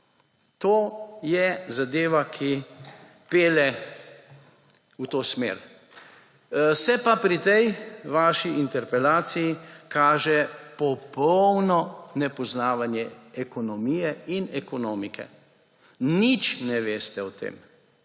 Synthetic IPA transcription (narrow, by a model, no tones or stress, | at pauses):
t̪oːjɛzad̪eːʋakʰi | peːlɛ | ut̪oːsmḛːɾ | sɛpapɾit̪ɛjʋaːʃiʔint̪ɛɾpɛlaːt̪sijikaːʒɛpɔpɔwnɔnɛpɔznaːʋanjɛɛkɔnɔmijɛinɛkɔnoːmikʰɛ̰ | nit͡ʃnɛʋeːst̪ɛɔt̪ḛːm